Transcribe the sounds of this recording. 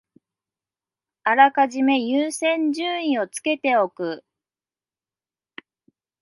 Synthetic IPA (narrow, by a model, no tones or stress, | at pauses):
aɾakaʑime̞jɯːsẽ̞ɲ̟d͡ʑɨ̃ːĩo̞t͡sɨ̥ke̞t̪e̞o̞kɯ